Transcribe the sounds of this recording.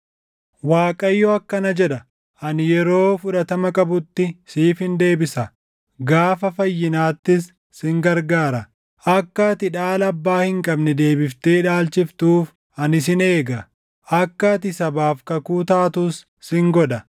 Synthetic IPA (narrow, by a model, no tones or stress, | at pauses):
waːkʼɐjːɔɐkːɐnɐd͡ʒɛᶑɐ | ʔɐnjɛɾo̞ːfʊᶑɐt̪ɐmɐkʼɐbʊt̪ːɪsiːfhɪnd̪e̞ːbɪsɐ | ɡaːfɐfɐjːɪnaːt̪ːɪsː | ɪŋɡɐɾɡaːɾɐ | ʔɐkːɐt̪ɪᶑaːlɐbːaːhɪŋkʼɐbnɛd̪e̞ːbɪft̪eːᶑaːlt͡ʃɪft̪uːf | ɐnɪs̬ɪne̞ːɡɐ | ʔɐkːɐt̪ɪsɐbaːfkɐkuːt̪aːt̪usː | ɪŋɡɔᶑ̪ɐ